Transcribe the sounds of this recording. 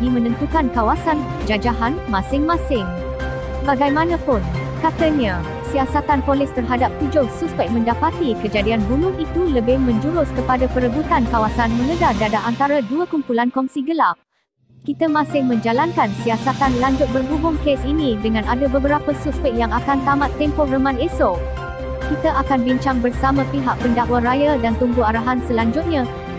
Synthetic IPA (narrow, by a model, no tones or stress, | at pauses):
dimə̃nə̃nt̪ukankawasan | d͡ʒad͡ʒaɦanmãsɪŋmãsɪŋ | baɡajmãnãpʊnkat̪aɲa | siasat̪anpolɪst̪ərɦadap̚t̪ud͡ʒʊhsuspɛk̚mə̃ndapat̪ikəd͡ʒadianbunʊŋit̪uləbɪhmə̃ɲd͡ʒuɾʊskəpadapəɾəbut̪ankawasanmə̃ŋəɡardadaʔant̪aɾaduəkumpulankɔnsiɡəlap̚ | kit̪amãsɪhmə̃ɲd͡ʒalankansiasat̪anlaɲd͡ʒʊt̪̚bərɦubʊŋkesinĩdəŋãnadabəbəɾapəsuspɛk̚jaŋakant̪amãt̪ːɛmpɔrəmãnɛso | kit̪aʔakanbiɲt͡ʃaŋbərsamãpiɦaʔ̚pəndaʔwaɾajadant̪umbuaɾaɦansəlaɲd͡ʒʊt̪̚ɲã